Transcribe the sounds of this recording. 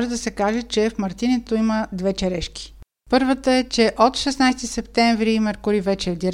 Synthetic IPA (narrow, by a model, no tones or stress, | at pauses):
ʒɛd̪ɐsɛkaʒɛt͡ʃɛfmɐɾt̪inɛt̪oiməd̪vɛt͡ʃɛɾɛʃki̥ | pɤɾvət̪əɛt͡ʃɛʔot̪ʃɛsnajst̪isɛpt̪ɛɱvɾimɛɾkʊɾivɛt͡ʃɛvd̪iɾ